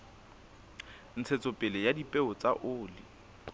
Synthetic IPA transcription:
n̩t͡sʰet͡sʼʊpʼɛlɛjadipʼɛɔt͡sʼaʔʊːlɪ

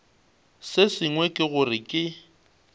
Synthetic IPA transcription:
sɪsɪŋwɛkʼɪɣʊrɪkʼɪ

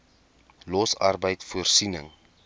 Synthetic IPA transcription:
lɔsɐrbəjtfuərsinə̰ŋ

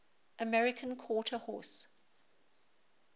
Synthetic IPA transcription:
ʔəmɛɹɪkʰə̃nkʰwɔːˑtʰəhɔ̰ːˑs

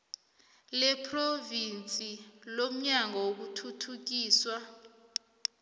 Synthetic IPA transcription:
lɛpʰʼrovint͡sʼilom̩ɲaŋawok̬utʰutʰuk̬iːswa

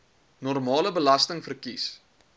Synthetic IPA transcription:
nɔrmɑːləbəlɐstəŋfərkis

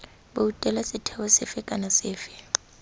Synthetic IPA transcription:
boutʼɛlasɪtʰɛwɔsɛfɛkʼanasɛːfɛ̥

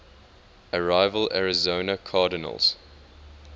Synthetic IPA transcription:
əɹaɪvəla̰ɹɪzoʊnəkʰɑːdɪnə̰lˠz̥

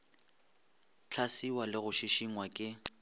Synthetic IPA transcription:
t͡ɬʰasiwalɪɣʊʃiʃiŋwakʼɪ

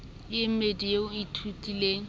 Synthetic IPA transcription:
jɪm̩medijeʊitʰutʼileːŋ̩

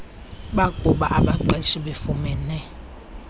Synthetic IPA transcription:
ɓaɡ̥ʼʱuɓa̰ʔaɓaǃɛʃiɓefumɛnɛ

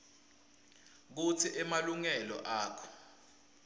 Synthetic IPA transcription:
k̬ut͡sʰiʔɛmaluŋɛlɔ̰ʔaːkʰɔ̥

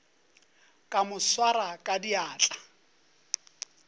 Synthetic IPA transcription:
kʼamʊswaɾakʼadiaːt͡ɬʼa

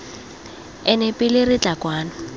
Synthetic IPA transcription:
ɛnɛpʼɪlɪrɪt͡ɬʼakwaːnɔ

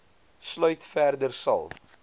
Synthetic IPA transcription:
slœɥtfærdərsɐ̰lˠ

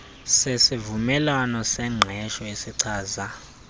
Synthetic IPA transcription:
sesivumɛlwanɔsɛŋ͡ǀʱɛʃɔesiǀʰaːza

